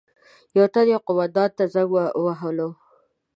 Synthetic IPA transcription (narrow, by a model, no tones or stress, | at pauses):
jawt̪ad̪jawqʊwad̪ɑt̪̚t̪ːazaɡwaɦəlo